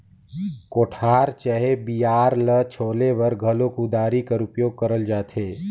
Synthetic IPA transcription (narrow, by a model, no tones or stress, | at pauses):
koːʈʰaːɾt͡ʃəɦebijaːɾlət͡ʃʰoːlebəɾɡʱəlokud̪aːɾikəɾʊpjoːɡ̚kəɾəld͡ʒaːt̪ʰeː